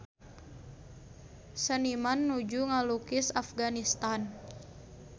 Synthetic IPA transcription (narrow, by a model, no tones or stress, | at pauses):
sənimanːud͡ʒuŋalukɪsafɡanist̪an